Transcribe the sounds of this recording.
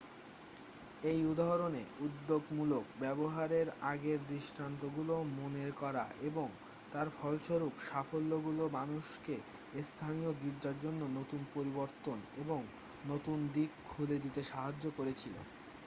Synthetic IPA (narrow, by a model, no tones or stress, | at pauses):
ejud̪aɦɾoneud̪ːoɡmulokbɛboɦaɾeɾaɡeɾd̪ɾiʃʈɾant̪oɡulomoneɾkɔɾa̰ʔeboŋ | t̪aɾfʰɔlʃoɾupʃafolːoɡulomanuʃke | st̪ʰanijoɡ̪iɾd͡ʑaɾd͡ʑonːonot̪unpoɾiboɾt̪oneboŋ | not̪und̪ikkʰːuled̪it̪eʃaɦad͡ʑːokoɾet͡ɕʰilo̰